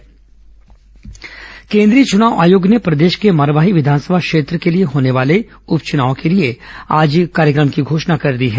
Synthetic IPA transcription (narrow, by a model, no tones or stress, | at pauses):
kẽːnd̪ɾiːət͡ʃʊnaːʊʔa̰ːjoːɡnepɾɐd̪eːʃkeməɾʋaːɦiʋɪd̪ʱaːnsəbʱakʃeːt̪ɾəkelieɦoːneʋaːle | ʊpt͡ʃʊnaːõkelieaːd͡ʒkaːɾjəkɾəmkiɡʱoːʃnakɐɾd̪iɦɛː